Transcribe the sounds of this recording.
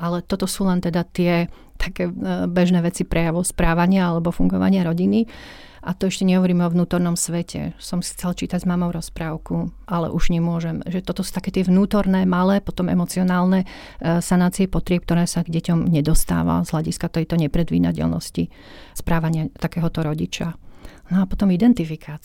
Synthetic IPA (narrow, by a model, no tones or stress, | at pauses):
ʔalɛt̪ɔt̪ɔsuːlɛnt̪ɛd̪at̪ɪɛ | t̪ʰḁkɛːbɛʒnɛːʋɛt͡sipɾʔɛjaʋɔʊspɾaːʋaɲɪaalɛbɔfuŋɡɔʋa̰ɲɪaɾɔɟini | ʔat̪ɔɛʃcɛɲɛɦɔʋɔɾiːmɔʋnuːt̪ɔɾnɔmsʋɛcʰɛ̰sɔmxt͡sɛlt͡ʃiːt̪aɟzmaːmɔʊɾɔspɾaːʊkuʔalɛ̰ʔuʒɲɛmʊɔʒɛmʒɛt̪ɔt̪ɔsu̥t̪akɛːt̪ɪɛʋnuːt̪ɔɾnɛːmalɛːpɔt̪ɔmɛ̰mɔt͡siɔnaːlnɛ | sanaːt͡siɛpɔt̪ɾɪɛp̚k̚t̪ɔɾɛːsaɡɟɛcɔmɲɛd̪ɔst̪a̰ːʋa̰zɦlaɟiskat̪ɛjt̪ɔɲɛpɾɛd̪ʋḭːd̪a̰cɛ̰lnɔ̰sci | spɾaːʋaɲɪat̪akɛːɦɔt̪ɔɾɔɟit͡ʃanɔapɔt̪ɔmid̪ɛnt̪ifikʰaːt͡s